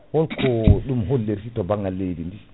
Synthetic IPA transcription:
hɔlkʰɔɗumɦolːeɾsitɔbaŋɡalːejdindi

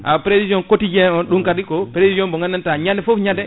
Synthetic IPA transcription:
ʔapɾesid͡ʒiɔnkotid͡ʒɛɔnɗumkadikɔpɾesizɔnbɔŋɡanːantaɲandɛfofɲadɛ

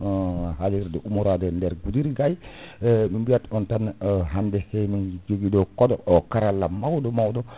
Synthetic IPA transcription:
haliɾdɔʔumuɾadɔndɛɾɡudiɾɡaj | minbijatɔntanɦandɛsɛmind͡ʒoɡidɔkɔdɔɔkaɾalːamawdɔmawdɔ

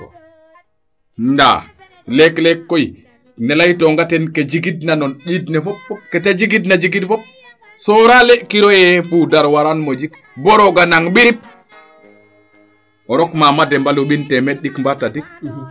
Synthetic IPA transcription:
nda̰ | lɛklɛkːoji | nelajtoŋɡatɛnked͡ʒiɡidnanonɗidnɛfɔpːɔketad͡ʒiɡidnad͡ʒiɡidfɔp̚ | soɾalekiɾojɛpudaɾwaɾanmod͡ʒik | bɔɾɔɡanaŋɓiɾip̚ | oɾɔkmamadɛmbaloɓintɛmeɗikmbatadik̚

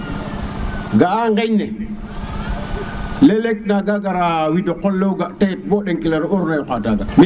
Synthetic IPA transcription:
ɡaaŋɡeɲne | lelek̚naɡaɡaɾawidokolːowɡatet̚boɗeŋkilaɾoɾnajkataɡa̰mi

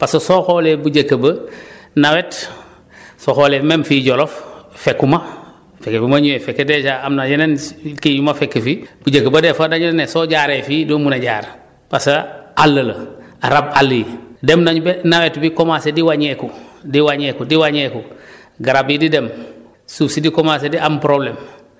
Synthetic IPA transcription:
pasosoxolebuɟɐkəbənawet | soxoːlememfiːɟoloffekːuma | fekːebumaɲuwefekːedet͡ʃaamnad͡ʒenenkiɲumafekːefibuɟəkːəbadefadaɲunnesoɟaːɾeːfidoːmunaɟa̰ːɾ | pasaalːələ | aɾab̚alːijidemnaɲubenawetbikomasediwaɲekudiwaɲekudiwaɲeku | ɡaɾabididem | suːfsidikomas̬ediʔampɾoblem

